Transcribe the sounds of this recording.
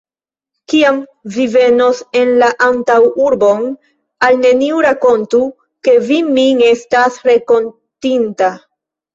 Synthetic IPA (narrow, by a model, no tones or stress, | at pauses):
kiamvive̞no̞se̞nlaʔantawuɾbon | alne̞niuɾako̞ntu | ke̞vimiŋe̞stasɾe̞ko̞n | tinta